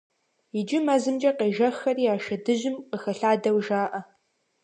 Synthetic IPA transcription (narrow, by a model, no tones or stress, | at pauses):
ɪd͡ʒɪmɐzɨmd͡ʒɐqeʒɐxɐriːaːʃɐdɨʑɪmqəxɐɬaːdɐwʒaːʔɐ